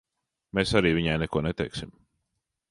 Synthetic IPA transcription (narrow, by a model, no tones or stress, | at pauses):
mesaɾiːviɲajnɛkuɔnet̪ɛjksim